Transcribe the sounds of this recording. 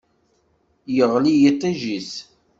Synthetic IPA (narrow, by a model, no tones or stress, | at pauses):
jəʁlijit̪ˤːæʒis